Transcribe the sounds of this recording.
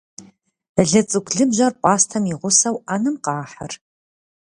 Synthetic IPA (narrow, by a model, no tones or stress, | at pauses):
ɮɨt͡sʼɨkʷʰɮɨbʑɐrpʷʼɑːstʰɐmiʁʷʊsɐwanɨmqɑːħər